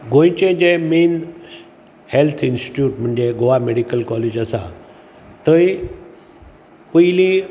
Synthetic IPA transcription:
ɡõĩt͡ɕẽd͡ʑemeːn | helt̪ʰinsʈi̥ʈjuːʈm̤ũɳd͡ʑeɡoʋameɽikəlkɔːled͡ʑəsã̰ | t̪əi | puili

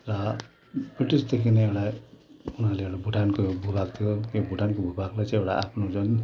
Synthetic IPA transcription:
rʌ | briʈisd̪ekʰineewɽaunaleewɽabʱuʈʰankobʱubakt̪ʰijokobʱuʈankobʱubaɡlajt͡sãewɽaʔa̰pʰnod͡zun

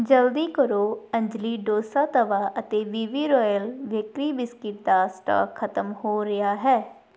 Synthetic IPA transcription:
d͡ʒəld̪iːkəɾoːə̃ɲd͡ʒliːɖoːsaːt̪əʋaːʔət̪eːʋiːʋiːɾɔːjəlʋɪkɾiːbɪskɪʈ̚d̪aːsʈa̰ːkʰːət̪əmhoːɾɪjaːɦɛː

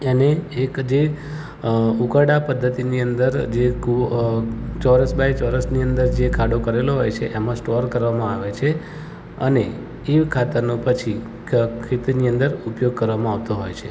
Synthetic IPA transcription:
eneːkd͡ʒe | ukəɽapəd̪ʱːət̪iniənd̪əɾd͡ʒe | t͡ʃɔɾəsbajt͡ʃɔɾəsniənd̪əɾd͡ʒekʰaɽokəɾeloɦojt͡ʃʰeʔemãsʈɔɾkəɾʋamãaʋet͡ʃʰe | ə̰ne | iʋkʰat̪əɾnõpət͡ʃʰi | kʰit̪iniə̃nd̪əɾupjoɡ̚kəɾʋamãaʋt̪oɦojt͡ʃʰe

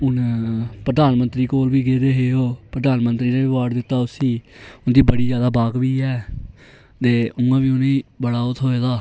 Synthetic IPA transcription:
ʊnpɾd̪aːnmənt̪ɾiːkoːlʋiːɡeːd̪eːɦeːoːpəɾəd̪aːnmənt̪ɾiːɾeːɪʋaːɖd̪ɪt̪ːaːʊsiːʊnd̪iːbəɽiːd͡ʒjaːd̪aːbaːɡʋiːɛː | t̪eːʊ̃ãːʋiːʊnẽːbəɽaːot̪ʰɦoːeːd̪aː

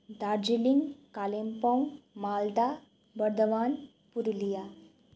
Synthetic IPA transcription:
d̪aɾd͡ʑiliŋɡkalempãmaːld̪a | bəɾd̪əʋaːn | puɾlija

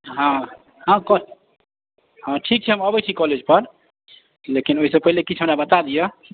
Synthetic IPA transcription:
ɦã | ɦãkɔ | ɦãʈʰik̚t͡ʃʰɛɦəməbət͡ʃʰikɔled͡ʒpəɾ | lekinoɦisəb̚pəɦilekit͡ʃʰɦəmnabət̪ad̪ijə

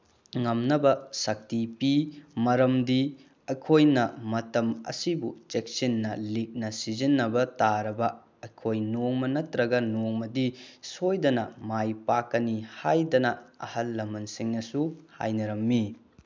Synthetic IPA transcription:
ŋɐmnɐbɐsɐk̚tipimɐɾɐmdi | ɐkʰojnɐmɐtɐmɐ̰sibut͡ʃek̚sinːɐlik̚nɐsizinːɐbɐtaɾɐbɐ | ɐjkʰojnoŋmɐnɐtɾɐɡɐnoŋmɐdisojdɐnɐmajpakːɐnihajdɐnɐɐ̰hɐlːɐmːɐnsiŋnɐsuha̰jnɐɾɐmːi

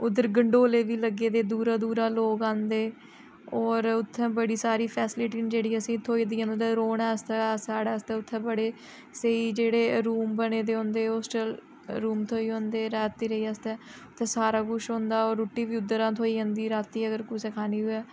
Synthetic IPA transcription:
ʊd̪ːəɾɡəɳɖoːleːʋiːləɡːeːd̪eːd̪uːɾaːd̪uːɾaːloːkãːnd̪eː | ɔːɾʊt̪ʰːɛ̃ːbəɽiːsaːɾiːpʰɛːsɪlɪʈiːd͡ʒeːɽiːəsĩːt̪ʰoːiːd̪iːɦə̃ːnd̪ɛɾoːɳɛːst̪ɛːsaːɽaːst̪ɛ̃ːʊt̪ʰːɛ̃ːbəɽeː | səiːd͡ʒeːɽeːɾuːmbəneːd̪eːɦõːnd̪eːɔːsʈəl | ɾuːmt̪ʰoːiːɦõːnd̪eːɾɛːt̪iːɾəiːəst̪ɛ̃ːʊt̪ʰːɛ̃ːsaːɾaːɡʊʃɦõːnd̪aːoːɾuʈːiːʋiːʊd̪ːəɾãːt̪ʰoːiːɦə̃ːnd̪iːɾaːt̪iːəɡəɾkʊsɛːkʰaːniːʊɛː

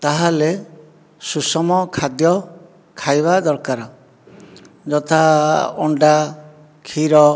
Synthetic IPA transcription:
t̪aɦale | susɔmɔkʰad̪jɔ | kʰajbad̪ɔɾkaɾɔ | d͡ʒɔt̪ʰaɔɳɖa | kʰiɾɔ

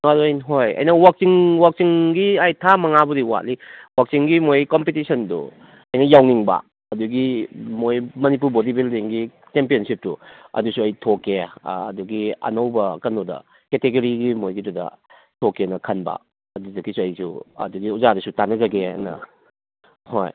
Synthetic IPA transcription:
naɾojnɦojɐ̰jnɐwak̚siŋwak̚siŋɡiajtʰamɐŋabuɾiwa̰tliwak̚siŋɡimojkompitisɐndṵ | ɐjnɐjawniŋbɐ̰ | ɐduɡimojmɐnip̬uɾbodibildiŋɡi | t͡ʃempiɐnsip̚tuɐ̰dusuɐjtʰokːeɐduɡiɐ̰nɐwbɐ̰kɐnɔdɐ̰ | keteɡɐɾiɡimojɡidudɐ̰ | tʰokːenɐkʰɐnbɐ̰ | ɐdudɐkisuɐjsṵɐ̰duɡiuzadɐsutanːɐzɐɡḛnɐ̰ | ho̰j

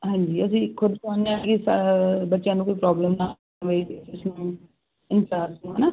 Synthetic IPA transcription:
ɦɛ̃ːɲd͡ʒiːəsĩːkʰʊd̪sãːneaːkɪsbətːʃjãːnũːkoːipɾaːbləmnaː | ʋeid̪eːʊsnũː | ɪnt͡ʃaːɾsnũːɦanaː

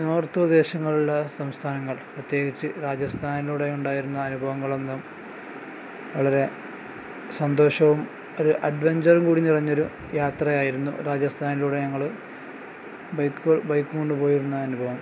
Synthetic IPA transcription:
noːrt̪ːurd̪e̞ːɕɐŋːɐɭuɭːɐsɐmst̪ʰaːnɐŋːɐɭprɐt̪je̞ːɡit͡ɕːɨɾaːd͡ʑɐst̪ʰaːniluːɽe̞uɳɖaːjiɾunːɐːnubʱɐʋɐŋːɐɭo̞nːɐm | ʋɐɭɐɾe̞ | sɐnd̪o̞ːɕɐʋum | o̞ɾuʔɐɖʋeɲd͡ʑɐrumkuːɽinirɐɲːo̞ɾu | jaːt̪rɐjaːjiɾunːṵɾaːd͡ʑɐst̪ʰaːniluːɽe̞ɲɐŋːɐɭ | bɐjkːɐɭbɐjkːuɣo̞ɳɖɨpo̞ːjiɾunːɐːnubʱɐʋɐm

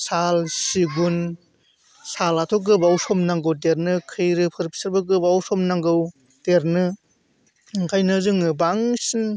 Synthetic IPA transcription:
salsiɡun | salatʰɔɡɯbawsɔmnaŋɡɯwt̬eɾnɯkʰɯjɾɯpʰɯɾpʰi̥saɾbɯɡɯbawsɔmnaŋɡɯw | teɾnɯ | ŋkʰajnɯzɯŋɯbaŋsin

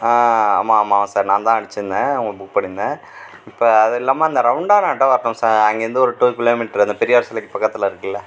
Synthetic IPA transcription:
aːaːmaːmamsaːɾnãːnt̪ãːɐɽɯt͡ʃːɯnːɐ̃ʊŋɡɐbʊk̚pɐɳɪnːɐ̃ | ɪpːoːɐðɐɪlːaːmaːɪnd̪ɐɾɐʋɳɖaːnaːʈːɐʋɐɾt̪ɐ̃msaːɾɐŋɡeɾɐnd̪ɯɔɾɯʈuːkɪloːmɪʈɾɐnd̪ɐpɛɾɪjaːɾsɪlɛkːɯpɐkːɐt̪ːɪlãɪɾɯkːɪlːɐ

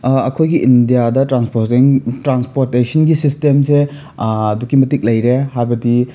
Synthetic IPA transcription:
ɐkʰojɡiʔindijadɐtɾanspoɾtiŋtɾanspoɾtesɐnɡisistemse | ɐdukːimɐtik̚lɐjɾehaɾbɐdi

